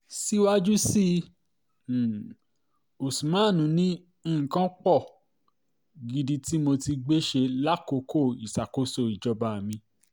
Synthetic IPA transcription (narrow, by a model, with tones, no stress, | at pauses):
si˦wa˦d͡ʒu˦si˦˨ | o˨sũ˨mã˨˦˨nũ˨˦nĩ˦˨ | kã˦k͡pɔ˦˨ | ɡi˨di˧ti˦mo˧ti˧ɡ͡be˦ʃe˧la˦ko˧˦kʰo˦˨i˨sa˨ko˧˦so˧˨i˨d͡ʒɔ˧ba˨mĩ˧